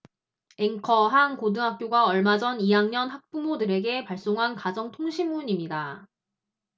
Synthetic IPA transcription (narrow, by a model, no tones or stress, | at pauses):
e̞ŋkʰʌɦaŋkodɯŋɦak͈̚joɡaʌɭmad͡ʑʌnijaŋɲʌnɦak̚p͈umodɯɾe̞ɡe̞paɭs͈oŋɦankad͡ʑʌŋtʰoŋɕʰimːuɲimɲida